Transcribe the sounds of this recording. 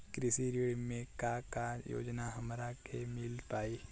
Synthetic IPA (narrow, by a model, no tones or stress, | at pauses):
kɾɪsiɾiɽmẽkakajo̰ːd͡ʒnaɦɐmɾakemɪlpaːiː